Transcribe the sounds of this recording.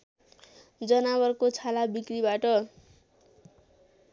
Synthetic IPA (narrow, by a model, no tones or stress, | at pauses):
d͡zʌnaβʌrkot͡sʰalabikribaʈʌ